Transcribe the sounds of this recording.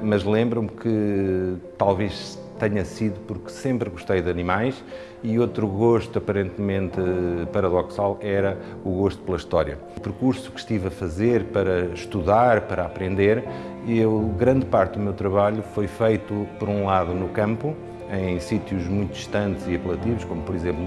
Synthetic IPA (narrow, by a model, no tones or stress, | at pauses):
mɐʒlˠẽmbɾũmkʰɨ | t̪alˠveʃ | t̪ɛɲɐsiðupuɾksẽmpɾɣuʃt̪ɐjðɐnimajʃ | iot̪ɾuɣoʃt̪uɐpɐɾẽnt̪mẽnt̪pɐɾɐðɔksalˠɛɾɐ | uɣoʃt̪u̥plˠɐiʃt̪ɔɾjɐ̰ | upɾkuɾsu̥kʃt̪ivɐfɐzeɾpɐɾɐʃt̪uðaɾpɐɾɐɐpɾẽnd̪eɾewɣɾɐ̃nd̪paɾt̪d̪umewt̪ɾɐβaʎufojfɐjt̪upɔɾũlˠaðunukɐ̃mpu | ɐ̃j̃sit̪juʒmũj̃t̪uiʃt̪ɐ̃nt̪ziɐplˠɐt̪ivuʃkomupɔɾizẽmplˠ